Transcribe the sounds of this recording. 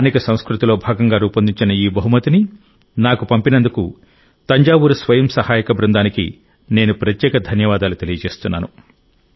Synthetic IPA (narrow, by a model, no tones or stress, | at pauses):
niːkɐsɐ̃w̃skɾut̪ilo̞ːbʱaːɡɐŋɡaːɾuːpɐnd̪iɲt͡ʃinɐiːbɐɦumɐt̪ini | naːkupɐmpinɐnd̪uku | t̪ɐɲd͡ʒaːʋuɾusʋɐjɐmsɐhaːjɐkɐbɾɐnd̪aːnikḭ | ne̞ːnupɾɐt̪jɛːkɐd̪ʱɐnjɐʋaːd̪aːlut̪e̞lijɐt͡ʃe̞ːst̪unːa̰ːnu